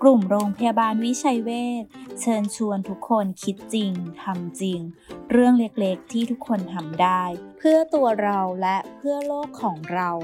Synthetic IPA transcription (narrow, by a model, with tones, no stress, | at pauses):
klu˨˩mɾoː˧ŋpʰa˧jaː˧baː˧nwi˦˥t͡ɕʰa˧jweː˥˩t̪̚t͡ɕʰɤː˧nt͡ɕʰu˧ənt̪ʰu˦˥kʰːo˧nkʰi˦˥t̪̚t͡ɕi˧ŋt̪ʰa˧mt͡ɕi˧ŋɾɯ˥˩əŋle˦˥k̚le˦˥k̚t̪ʰiː˥˩t̪ʰu˦˥kʰːo˧nt̪ʰa˧mdaː˥˩jpʰɯ˥˩ɐt̪u˧ɐɾa˧wlɛ˦˥ʔpʰɯ˥˩ɐloː˥˩kʰːɔː˩˦ŋɾa˧w